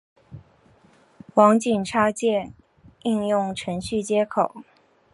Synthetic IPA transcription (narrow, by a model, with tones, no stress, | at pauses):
wɑ˧˥ŋt͡ɕi˨˩nʈ͡ʂʰa˥t͡ɕjɛ˥˧ | i˥˧ŋjʊ˥˩ŋʈ͡ʂʰɤ˧˥ŋɕy˥˩t͡ɕjɛ˥kʰo˨˩˦ʊ